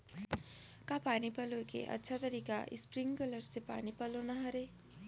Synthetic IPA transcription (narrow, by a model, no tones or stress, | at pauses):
kapanipʌlokḛʔʌ̰tːsʰat̪ʌɾika̰ʔḭspɾiŋkʌlʌɾsepa̰nipʌlonʌɦʌɾe